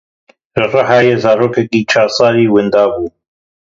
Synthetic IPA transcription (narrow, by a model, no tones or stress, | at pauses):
ʒɨrɑɦaːjeːzaːɾoːkɛkiːt͡ʃʰaːsˤɑːɾiːwɪnd̪aːbuː